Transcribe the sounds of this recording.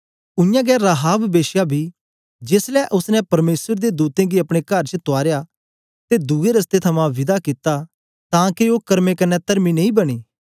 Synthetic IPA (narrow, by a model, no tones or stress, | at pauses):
ʊjãːɡɛːɾaɦaːbbeːʃjabʱi | d͡ʒɪslɛʔʊsnɛ̃pɐɾmeːsəɾd̪ed̪uːt̪ẽɡiɐpɽ̃ekɐɾt͡ʃət̪ʊaːɾja | t̪ed̪uɡeɾɐst̪et̪ʰɐmãʋɪd̪akɪt̪ːa | t̪ãːkioːkɐɾmekɐnːɛt̪ɐɾminɐĩːbɐɽ̃iː